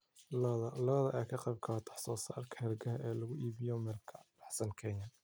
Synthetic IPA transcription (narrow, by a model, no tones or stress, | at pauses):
lðɐlɐβɐðɐʔɛkʰɐqɑjb̚kʰɐt̪ʰɑ̥ħsɔːsa̰ːrkʰɐhɛrɡɐɦɐʔɛːlɐɣʊʔiːβɪjɔmɛlkʰɐb̥ɑħsɐnkʰɛnɐ